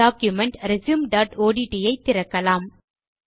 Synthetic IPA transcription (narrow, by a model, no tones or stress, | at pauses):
aːkjʊmɛɳʈɾɪsuːmɖaːʈoːɽiʈijɐɪt̪ːɪɾɐkːɐlaːm